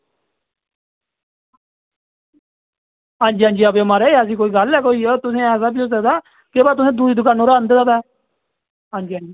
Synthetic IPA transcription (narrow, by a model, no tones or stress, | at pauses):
ɦãːnd͡ʒiːɦãːnd͡ʒiːəbeːəmãːɾeːəs̬ĩːkoːiːɡəlɛːkoːiːt̪ʊsẽːɛːs̬aːbiːɦoːs̬ək̚d̪aː | keːbaːt̪̬ʊsẽːd̪uːiːd̪ʊkaːnõːɾaːnd̪eːd̪abɛː | ɦãːnd͡ʒiːɦãːnd͡ʒiː